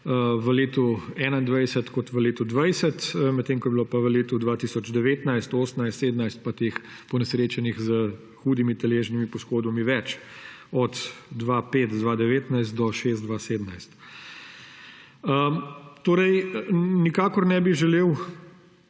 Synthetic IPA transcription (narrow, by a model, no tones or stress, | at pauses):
əʋəleːt̪uɛːnaind̪ʋajsɛt̪kɔt̪ʋəleːt̪ud̪ʋajsɛt̪mɛt̪t̪ːeːŋkɔjɛbilopaʋəleːt̪ud̪ʋat̪isɔd͡ʒd̪ɛʋeːt̪najst̪oːsnajst̪eːd̪ənajst̪̚pat̪eːx | pɔnɛsɾeːt͡ʃɛnixzə | xuːd̪imit̪ɛleːʒnimipɔsxoːd̪bɔmiʋɛt͡ʃ | ɔt̪d̪ʋapeːt̪d̪ʋaːd̪ɛʋeːt̪najst̪̚d̪ɔʃeːs̬t̪d̪ʋaseːd̪najst̪ | ət̪oːɾɛjnikaːkɔɾnɛbiʒɛleːw